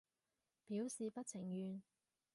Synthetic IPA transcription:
piː˨˥wsiː˨pɐ˥t̚t͡sʰɪ˨˩ŋjyː˨˧n

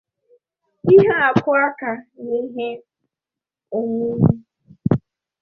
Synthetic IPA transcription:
i˦ɦa˦a˨kʊ˦a˦ka˨ni˦ɦe˦ | o˨ŋu˦mu˦

